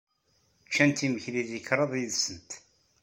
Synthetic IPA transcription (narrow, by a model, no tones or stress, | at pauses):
t͡ʃːænt̪iməçliðikɾˤɑðˤjðsənt̪